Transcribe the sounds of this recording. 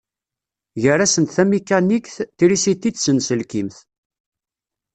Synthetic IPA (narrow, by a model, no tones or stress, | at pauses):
ʝəræsənt̪θæmikːænikθtiɾisit̪ːid̪sənsəlkimθ